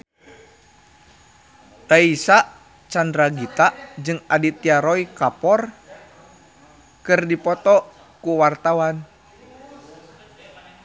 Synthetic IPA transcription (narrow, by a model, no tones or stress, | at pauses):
t̪aisaʔ | t͡ʃandɾaɡit̪aʔd͡ʒɨŋadit̪iaɾɔikapɔr | kɨrdipɔt̪ɔ | kuwart̪awan